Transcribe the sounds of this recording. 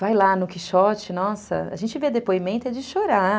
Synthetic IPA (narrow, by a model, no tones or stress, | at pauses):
vajlanʊkiʃɔt͡ʃɪnɔsɐ̰a̰ʒẽnt͡ʃɪved̪epoimẽnt̪ʊɛd͡ʒɪʃoɾa